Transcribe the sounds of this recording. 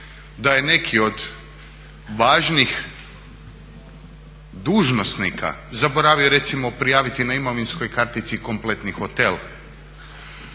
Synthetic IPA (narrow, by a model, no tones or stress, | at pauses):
d̪aje̞ne̞kʰio̞d̪ | ʋaːʒnix | d̪uːʒno̞snikʰa̰zaboɾaːʋio̞ɾe̞t̪simo̞pɾijaːʋit̪inaimoʋinskojkaɾt̪it̪siko̞mple̞t̪nixo̞t̪e̞l